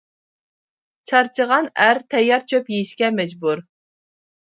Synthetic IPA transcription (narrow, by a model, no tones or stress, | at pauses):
t͡ʃʰɑɾt͡ʃʰəʁɑnæɾt̪ʰɛjːɑɾt͡ʃʰøpjejiʃkʲɛmɛd͡ʒbuɾ